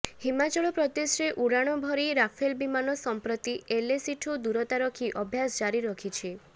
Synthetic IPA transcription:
himat͡ʃɔɭɔpɾɔd̪esɾeʔuɽaɽ̃ɔbʱɔɾiɾapʰelbimanɔsɔmpɾɔt̪ielesiʈʰud̪uɾɔt̪aɾɔkʰiʔɔbʱjasɔd͡ʒaɾiɾɔkʰit͡ʃʰi

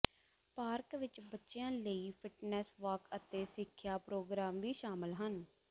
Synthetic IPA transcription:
paːɾkʋɪt͡ʃbətːʃɪjãːləiːpʰɪʈnɛːsʋəːkət̪eːsɪkʰːjaːpɾoːɡɾaːmʋiːʃaːməlɦən

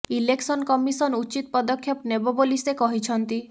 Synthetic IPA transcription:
ileksɔnkɔmisɔnut͡ʃit̪pɔd̪ɔkʰjɔpnebɔbolisekɔɦit͡ʃʰɔnt̪i

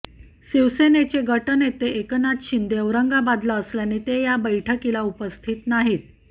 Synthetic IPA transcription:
siʋsenet͡ɕeɡʱəʈənet̪eʔeknat̪ɕind̪eəʋɾəŋɡabad̪laəsljanet̪ejabəjʈʰəkilaupəst̪ʰit̪naɦiːt̪̚

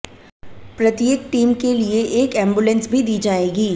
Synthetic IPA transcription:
pɾɐt̪jeːk̚ʈiːmkelieʔeːkɛ̃ːmbʊlə̃nsbʱid̪iːd͡ʒaːeːɡiː

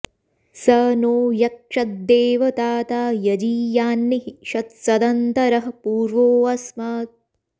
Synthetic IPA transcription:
sɐnoːjɐkʂɐt̪̚d̪eːʋɐt̪aːt̪aːjɐd͡ʒiːjaːnːiɦiʃɐt̪̚sɐd̪ɐnt̪ɐɾɐɦɐpuːɾʋoːɐsmɐːt̪̚

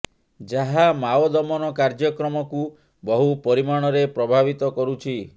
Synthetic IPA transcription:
d͡ʒaɦamaod̪ɔmɔnɔkaɾd͡ʒɔkɾɔmɔku | bɔɦupɔɾimaɽ̃ɔɾepɾɔbʱabit̪ɔkɔɾut͡ʃʰi

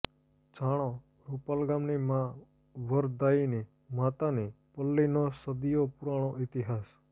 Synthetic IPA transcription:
d͡ʒaɽ̃õ | ɾupalɡamnimã | ʋəɾd̪aini | mat̪ani | pəlːinosəd̪ijopuɾaɽ̃oʔɪt̪iɦaːs

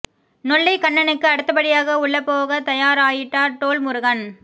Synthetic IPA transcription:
nɔɭːɐɪkɐɳːɐnɯkːɯɐɽɯt̪ːɐpɐɽɪjaːɣɐʊɭːɐpːoːɣɐt̪ɐjaːɾaːjɪʈːaːɾʈoːlmʊɾʊɣɐn

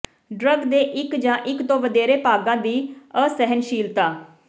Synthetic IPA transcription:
ɖɾəɡd̪eːʔɪkd͡ʒãːʔɪkt̪õːʋəd̪eːɾeːpaːɡãːd̪iːəsɛɦənʃiːlt̪aː

